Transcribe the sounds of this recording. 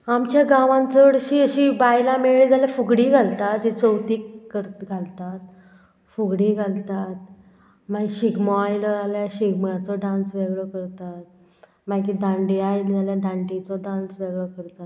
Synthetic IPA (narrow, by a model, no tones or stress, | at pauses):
amt͡ɕjaɡaʋãnt͡səɽəɕiːəɕibajlameɭed͡zaljafuɡɽiɡʱalt̪at̪d͡ʑit͡səwt̪iːkːəɾɡʱalt̪at̪̚ | fuɡɽiːɡʱalt̪at̪̚ | maɕiɡmɔajləaljaɕiɡmat͡sɔɖãnsʋeɡɭəkəɾt̪at̪̚ | makid̪ãɳɖiajld͡zaljad̪ãɳʈit͡sɔɖãnsʋeɡɭəkəɾt̪at̪